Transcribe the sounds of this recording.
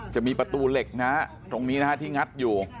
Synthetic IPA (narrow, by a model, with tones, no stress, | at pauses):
t͡ɕa˨˩miː˧pɾa˧t̪uː˧le˨˩k̚na˦˥ | t̪o˧ŋniː˦˥na˦˥ka˦˥t̪ʰiː˥˩ŋa˦˥t̪̚juː˨˩